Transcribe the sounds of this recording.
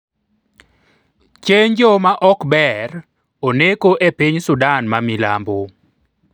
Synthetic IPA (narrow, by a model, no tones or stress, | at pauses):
t͡ʃeɲd͡ʒɔmaʔɔkbɛr | onekoʔepiɲsʊdanmamila̰mbo